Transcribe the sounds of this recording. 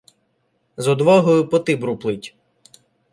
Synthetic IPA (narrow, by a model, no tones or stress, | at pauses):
zɔd̪ʋɔɦɔjʊpɔt̪ɪbɾuplˠɪtʲ